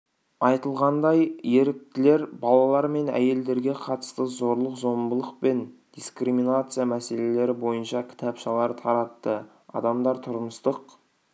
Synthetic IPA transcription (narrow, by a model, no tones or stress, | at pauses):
ɑjt̪əlˠʁɑnd̪ɑjje̞ɾɪk̚t̪ɪle̞ɾbɑlˠɑlˠɑɾme̞næ̰je̞ld̪e̞ɾɡʲe̞qʰɑt̪ə̥st̪əzo̞ɾlˠəqzo̞mbəlˠəq̚pe̞nd̪̥iskriminat̪sɨjamæse̞le̞le̞ɾɪbo̞jənʃɑkʲʰɪ̥t̪ʰɑpʃɑlˠɑɾt̪ʰɑɾɑt̪ːə | ɑ̰d̪ɑmd̪ɑɾt̪ʰʊɾəməst̪əq